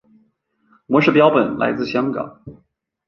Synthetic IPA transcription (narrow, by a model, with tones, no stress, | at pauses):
mwɔ˧˥ʂɻ̩˥˩pjɑ˥ʊpə˨˩nla̰˧˥ɪt͡sɹ̩˥˩ɕjɑ˥ŋkɑ̰˨˩˦ŋ